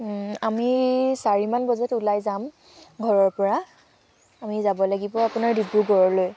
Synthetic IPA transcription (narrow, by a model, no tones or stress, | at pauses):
amisaɹimanbɔzɔtulajzam | ɡʱɔɹɔɹpɔɹa | amizabɔlaɡibɔapʊnaɹdibɹuɡɔɹɔloj